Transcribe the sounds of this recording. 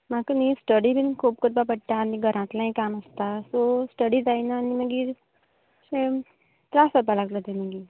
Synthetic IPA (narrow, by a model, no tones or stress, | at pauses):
mãkənisʈəɽibʱinkʰuːb̚kut̪̚babəʈːaniɡʱəɾãt̪lãĩkanəst̪asosʈəɽid͡zaːinanimə̃ɡiːɾ | se | t̪ɾaːsəbalaɡlad̪eneɡi